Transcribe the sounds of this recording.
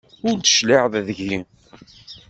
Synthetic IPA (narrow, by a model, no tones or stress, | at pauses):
ʊɾd̪ə̥ʃlɪʕððəʝi